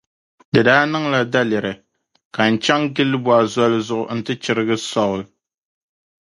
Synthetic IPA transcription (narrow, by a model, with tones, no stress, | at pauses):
dɨ˨daː˦nɨ˦ŋla˦da˦lɛ˨ɾɨ˨ | ka˨n̩˨t͡ʃɛ˦ŋɡɪ˦lːɨ˦bɔ˨a˨zɔ˦lɨ˦zʊ˦ʔʊ̰˨n̩˦tɨ˦t͡ʃɪ˦ɾɨ˦ɡɨ˦sɔ˦˨ʊ˦˨l